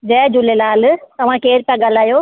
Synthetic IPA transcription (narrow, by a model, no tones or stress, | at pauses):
d͡ʑɛːd͡ʑʊlelaːlt̪ɐʋ̤ãkeːɾpjãɡal̤aːjoː